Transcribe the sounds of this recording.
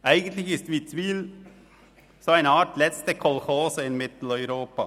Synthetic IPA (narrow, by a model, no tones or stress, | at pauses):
ʔæɪɡən̩t̪lɪçɪst̪ʋiːt͡sʋiːl | soːæɪnəɑːtlɛst̪əkʰɔlxoːsəɪnmɪt̪l̩œʏɾoːpa